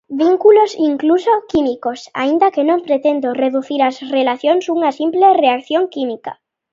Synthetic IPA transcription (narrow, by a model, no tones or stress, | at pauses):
βiŋkulosiŋklusokimikosa̰ind̪akenõmpɾet̪end̪oreðuθiɾasrelaθjoŋsuŋasimplereakθjoŋkimika̰